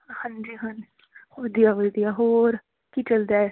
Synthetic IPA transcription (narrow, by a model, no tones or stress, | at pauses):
hɐ̃nd͡ʒiɦɐn | xod̪iaʋəd̪iaɦoːɾ | kit͡ʃɐld̪aːɛ